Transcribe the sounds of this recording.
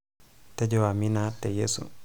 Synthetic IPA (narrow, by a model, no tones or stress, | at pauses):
tɛd͡ʒɔwaminatɛjesṵ